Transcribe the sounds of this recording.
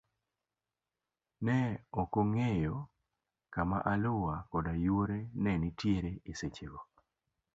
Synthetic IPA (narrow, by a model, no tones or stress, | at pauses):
nɛokoŋejɔ | kama̰ʔalʊwakɔdajwoɾenɛnitjeɾeeset͡ʃeɡo